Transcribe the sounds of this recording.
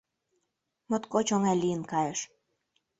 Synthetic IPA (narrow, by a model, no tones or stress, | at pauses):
mot̪kot͡ɕoŋælijənkɑjeʃ